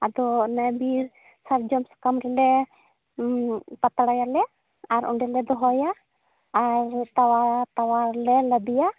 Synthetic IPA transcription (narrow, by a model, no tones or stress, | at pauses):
ad̪ɔnabiɾ | saɾd͡ʒɔmsḁkamɾɛlɛ | pat̪aɽajalɛ | aɾʔɔ̰ɳɖɛlɛd̪ɔɦɔjaː | ɾt̪awat̪awaɾlɛlabija